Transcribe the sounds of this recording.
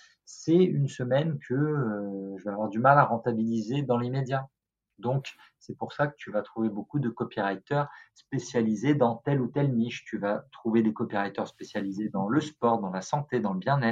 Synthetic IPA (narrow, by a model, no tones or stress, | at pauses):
sɛynsəmɛnkʰəøʒəvaːvwaʁd̪ymalaʁɑ̃t̪abilized̪ɑ̃limed̪ja | d̪ɔ̃k | sɛpuʁsakə̥t̪yvat̪χuvebokud̪əkɔpiʁajt̪œʁspesjalized̪ɑ̃t̪ɛlut̪ɛlmiʃt̪yvat̪χuved̪ekɔpiʁajt̪œʁspesjalized̪ɑ̃ləspɔʁd̪ɑ̃lasɑ̃t̪ed̪ɑ̃ləbjɛ̃nɛt̪χ